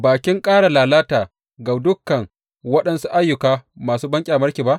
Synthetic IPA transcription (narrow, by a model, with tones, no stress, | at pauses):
baː˨kʲɪ˦ŋkʼaː˦ɽa˨laː˨laː˦taː˨ | ɡa˨dʊ˦kːɐ˨ŋ | wɐ˦ɗɐ˦nsu˦ʔa˦jːʊ˨kaː˦maː˨suː˦bɐ˦ŋkʲʼe˨a˨mɐ˦ɾkʲiː˨ba˦ʔ